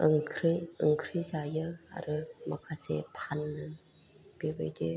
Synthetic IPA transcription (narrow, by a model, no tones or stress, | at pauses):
ɯŋkʰɾiɯŋkʰɾizajɯa̰ɾɯmɐkʰasḛpʰanːɯ | b̥ebɯ̰jde